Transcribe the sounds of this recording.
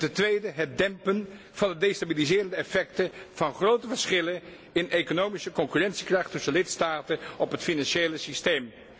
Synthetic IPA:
tɛntʋejdəɦɛt̚dɛmpən | v̥ɑndədejstabilizɪːrəndəɛfɛktəv̥ɑnχrowtəvəɹsχɪlən | ɪnʔekonowmisəkɔŋkyrɛntsikrɑχtɵsənəlɪtstaːtənɔpɦətfinɑnʃejləsistejm

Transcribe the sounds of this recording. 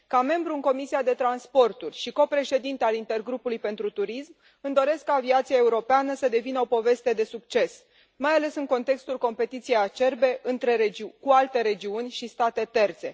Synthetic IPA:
kame̞mbɾuɨŋko̞misiad̪e̞t̪ɾanspo̞rt̪urʲʃiko̞pɾe̞ʃe̞d̪int̪ealint̪e̞rɡɾupulujpe̞nt̪ɾut̪uɾism | ɨnd̪o̞ɾe̞skːaːviat̪siae̞uɾo̞peanəsəd̪e̞vinəo̞po̞ve̞st̪e̞d̪e̞sukt͡ʃe̞s | majale̞sɨŋko̞nt̪e̞kst̪ulko̞mpe̞t̪it̪sijejat͡ʃe̞rbe̞ʔɨnt̪ɾe̞ɾed͡ʒikualt̪e̞ɾe̞d͡ʒiunʲʃist̪at̪e̞t̪e̞rt̪se̞̰

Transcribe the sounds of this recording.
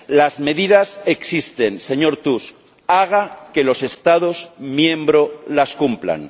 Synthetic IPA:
lazme̞ðiðase̞ksist̪e̞nse̞ɲo̞ɾt̪us | aɣake̞lo̞se̞st̪aðozmjẽ̞mbɾo̞laskumpla̰n

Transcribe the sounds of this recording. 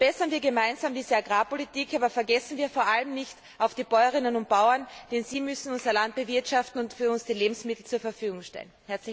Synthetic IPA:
b̥ɛsɐnviːɐɡemaɪnzaːmdiːzəaɡʁaːpolitʰiːkʰaːbɐfɛɐɡɛsn̩viːɐfoːɐʔaləmnɪçt | ʔaʊfd̥iːb̥ɔʏɐʁɪnənʊnt̚b̥aʊɐnd̥ɛnziːmʏsn̩ʊnzɐlant̚b̥əvɪɐtʃaftn̩ʊntfyːɐʊnsd̥iːleːbm̩smɪtl̩t͡suːɐfɛɐfyːɡʊŋʃtɛ̰lnhɛɐt͡sl

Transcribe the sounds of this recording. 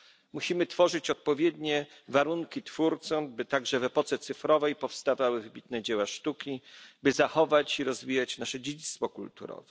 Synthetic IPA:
muɕimɘt̪fɔʐɘt͡ɕɔt̪̚pɔvʲjɛd̪ɲɛvaɾuŋkʲit̪fuɾt̪sɔmbɘt̪aɡʐɛvɛpɔt̪sɛt̪sɘfɾɔvɛjpɔfst̪avawɘvbʲit̪nɛd͡ʑɛwaʂt̪ukʲibɘzaxɔvat͡ɕiɾɔzvʲijat͡ɕnaʂɛd͡ʑed͡ʑit̪st̪fɔkult̪ṵɾɔ̰vɛ

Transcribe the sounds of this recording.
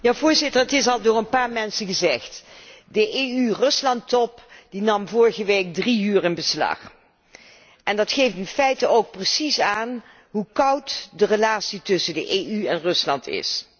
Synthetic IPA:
jaːvʊːɹzɪtəɹətɪsɑlˠdʊːɹənpaːɹmɛnsənχəzɛχtdəʔeyrɵslɑntɔpd̥inɑmvʊːɹχəʋejk̚driyːɹɪnbəslɑ̰χ | ʔɛndɑtχejftɪnfɛjtəowk̚prəsisaːn | ɦukʌwtdərəlaːtsitɵsəndəʔeːyɛnrɵslɑ̰ntɪ̰s

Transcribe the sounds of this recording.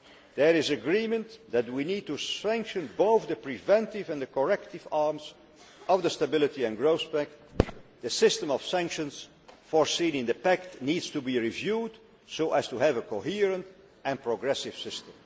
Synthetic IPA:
ðəɹɪzəɡɹimə̃nðæt̬̚winiːd̚tusæ̃ŋkʃɨ̃nboʊθðəpɹivɛ̃ntɪvɨ̃nðəkɔɹɛktɪvɑɹmz | ʔʌvðəstəbɪlˠɨtiɨ̃nɡɹoʊspæk̚tðɨsɪstə̃mɔv̥sæ̃ŋkʃə̃ns | fɔɹsĩnɪ̃nd̪əpæktniːdz̥tubiɹivjuːd | soʊʔæz̥tuævəkʰoɦiɹə̃nt | ɨ̃npɹoɡɹɛsɪv̥sɪstə̃m

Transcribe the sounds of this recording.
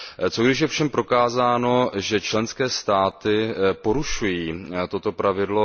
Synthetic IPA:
t͡so̞ɡdɪʃ̬jɛfʃɛmpɾo̞kaːzaːno̞ʒɛt͡ʃlɛnskɛːst̪aːt̪ɪpo̞ɾuʃujiːt̪o̞t̪o̞pɾavɪdlo̞

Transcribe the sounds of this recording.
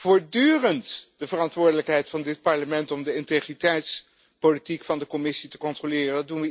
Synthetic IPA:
v̥ʊːɹdyːrəntdəvərɑntʋʊːɹdələkɦɛjtfɑndɪt̚pɑɹləmɛntɔmdəɪntejχritɛjts | powlitikfɑndəkɔmɪsitəkɔntrolɪːrədunʋə

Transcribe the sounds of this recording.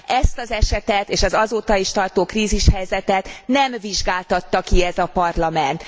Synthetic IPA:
ʔɛst̪ɒzɛʃɛt̪ɛt̪eːʃɒzɒzoːt̪ɒiʃt̪ɒrt̪oːkriːziʃhɛjzɛt̪ɛt̪nɛmviʒɡaːlt̪ɒt̪ːɒkiɛzɒpɒrlɒmɛnt̪

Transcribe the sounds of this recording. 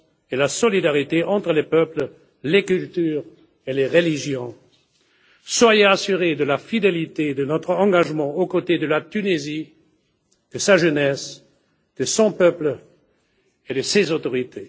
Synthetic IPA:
elasɔlid̪aʁit̪eʔɑ̃t̪χəlepœplə | lekylt̪yːʁ | eleʁəliʒjɔ̃ | swajeasyʁed̪əlafid̪elit̪ed̪ənɔt̪χəɑ̃ɡaʒmɑ̃okot̪ed̪əlat̪ynezi | d̪̥əsaʒənɛs | d̪̥əsɔ̃pœplə | ed̪əsezot̪ɔʁit̪ʰe

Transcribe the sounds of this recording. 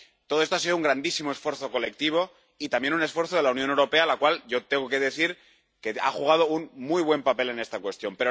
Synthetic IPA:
t̪o̞ðoet̪oasiðouŋɡɾand̪isimo̞esfwe̞ɾθo̞ko̞le̞k̚t̪iβ̞o̞ | it̪ambje̞nune̞sfwe̞ɾθoð̞e̞launjõne̞wɾo̞pe̞alakwalʝo̞t̪eŋɡoke̞ðe̞θiɾ | ke̞a̰xuɣ̞að̞o̞unmujβ̞we̞mpape̞le̞ne̞st̪akwe̞st̪jo̞mpe̞ɾo

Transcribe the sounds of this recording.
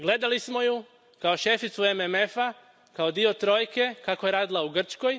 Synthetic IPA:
ɡle̞d̪alismo̞ju | kao̞ʃe̞fit̪suememe̞fa | kao̞d̪io̞t̪ɾo̞ːjke̞kako̞jeɾaːd̪ilauɡr̩t͡ʃko̞j

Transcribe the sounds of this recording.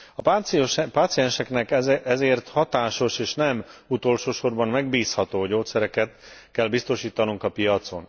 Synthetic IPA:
ɒpaːt̪sijɛnʃɛknɛkɛzeːrt̪hɒt̪aːʃo̞ʃeːʃnɛmut̪o̞lʃoːʃo̞rbɒnmɛɡbiːshɒt̪oːɟoːt̪sɛɾɛkɛt̪kɛlbist̪o̞ʃiːt̪ɒnuŋkɒpijɒt̪so̞̰n

